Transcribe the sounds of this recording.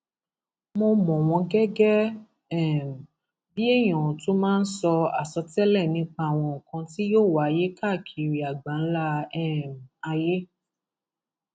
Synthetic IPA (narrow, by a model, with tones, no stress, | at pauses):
mo˧mɔ̃˨w̃ɔ̃˧ɡɛ˦ɡɛ˦ | ɛ˦˨m˨ | bi˦e˦˨j̃ɔ̃˨to˨˦mãː˦n̩˦sɔ˧a˨sɔ˧tɛ˦lɛ˦˨nĩ˧˦k͡pa˧˦˨w̃ɔ̃˧o˨kã˧ti˦jo˦˨wa˨˦˧je˦ka˦˨kʰi˨ɾi˨a˨ɡ͡ba˨˦n̩˦la˦ɛ˦˨m˨a˧je˦